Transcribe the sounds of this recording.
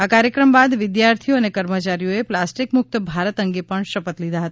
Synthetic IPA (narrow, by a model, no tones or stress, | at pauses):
akaɾjəkɾəmbad̪ʋɪd̪jaɾt̪ʰijoənekəɾmət͡ʃaɾijoeplasʈikmʊk̚t̪bʱaɾət̪əŋɡepəɳʃəpət̪lid̪ʱaɦət̪a